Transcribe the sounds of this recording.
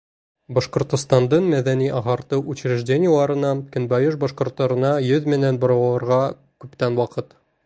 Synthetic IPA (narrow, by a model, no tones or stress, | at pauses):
bɒʃqŏɾt̪ŏst̪ɑnd̪ɤɴmæðæniʔɑʁɑɾt̪ɤʔut͡ɕɾɘ̆ʒdʲenʲɪjəlˠɑɾɤ̆nɑkɘ̆nbɑjoʃbɒʃqŏɾt̪ːɑɾɤ̆nɑjɵðmɘ̆nænbŏɾɑ̆wɑlˠɑ̆ɾʁɑ | kʉpt̪ænwɑqɤt̪